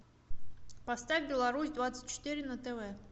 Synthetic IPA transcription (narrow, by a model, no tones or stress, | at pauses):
pɐst̪avʲbʲɪlˠɐɾusʲd̪vat̪sɨ̥t̚ʲt͡ɕːɪ̥t̪iɾʲɪnət̪ɛvɛ